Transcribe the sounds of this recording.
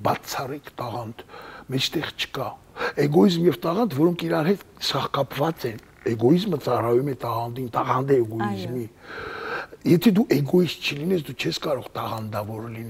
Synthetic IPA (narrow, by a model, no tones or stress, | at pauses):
bɑt͡sʰɑrɛkʰt̪ɑʁɑnd̪mɛt͡ʃʰt̪ɛʁt͡ʃʰə̥kɑ | ɛɡɔizmjɛvt̪ɑʁɑnt̪ʰvɔɾɔŋkʰiɾɑnhɛt̪sɑχkɑpʰvɑt͡sɛn | ɛɡɔizmət͡sɑrɑjumɛt̪ɑʁɑnd̪int̪ɑʁɑnd̪ɛɛɡɔizmi | jɛt̪ʰɛd̪uʔɛɡɔist̪̚t͡ʃʰəlinɛsd̪ut͡ʃʰɛskɑɾɔʁt̪ɑʁɑnd̪ɑvɔɾlinɛ